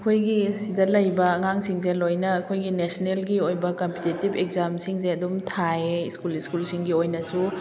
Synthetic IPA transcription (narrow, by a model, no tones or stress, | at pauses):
ɐkʰojɡisidɐlɐjbɐːŋaŋsiŋzelojnɐːkʰojɡinesnelɡiojbɐkɐmpitetibekzamsiŋzeɐdumtʰaeskuliskulsiŋɡiojnɐsu